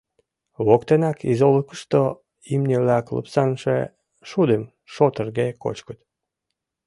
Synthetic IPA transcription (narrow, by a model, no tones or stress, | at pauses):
βokt̪enɑkizoləkə̥ʃt̪o | imnʲeβlæklə̰psɑnʃḛ | ʃud̪em | ʃot̪ərɣeko̰t͡ɕkət̪